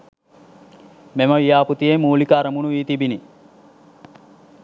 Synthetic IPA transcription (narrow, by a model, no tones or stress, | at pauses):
meməʋijaːput̪ijemuːlikaːɾəmunuʋiːt̪ibini